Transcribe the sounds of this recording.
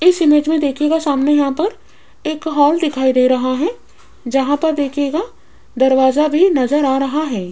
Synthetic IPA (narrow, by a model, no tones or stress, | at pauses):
ɪsɪmeːd͡ʒmẽd̪eːkʰeɡasaːmnejɐɦãpɐɾ | eːkɦɔːld̪ɪkʰaːid̪eːɾɐɦaɦɛ | d͡ʒɐɦãpɐɾd̪eːkʰeɡa | d̪ɐɾʋaːzabʱinɐzəɾaːɾɐɦaɦɛː